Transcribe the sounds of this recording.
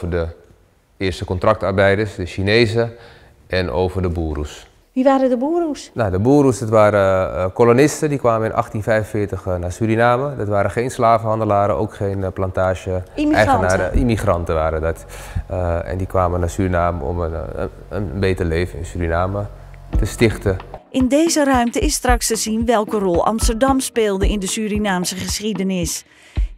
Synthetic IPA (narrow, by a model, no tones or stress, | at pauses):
vədə | ɪɹstəkɔntrɑk̚tarbɛjdəsdəʃineːzə | ɛnʔo̰wvərdəbuːɾṵs | ʋiʋaːɾədəbuːɾusnadəbuːɾusdɑtʋaːɾəkolonɪstədikʋaːməɪnʔɑ̰χtinfɛjvənfɪːtəxnaːsyɾinaːmədɑtʋaːɾəχejnslaːvhɑndəlaːɾəo̰ːkχejnplɑntaːʒəɛjənaːəimiχrɑntəʋaːɾədɔt | ɛ̰ndikʋaːmənaːsyrinaːməɔ̰m | ə̰nbejtərlejvənɪ̰nsyːɾinaːmə | təstɪχtəʔɪndeːzərœɥmtəɪstrɑkstəzinʋɛlˠkərɔlˠɑ̰mstərdɑmspeːlˠdəɪndəsyːɾinaːmsəχəsidənɪs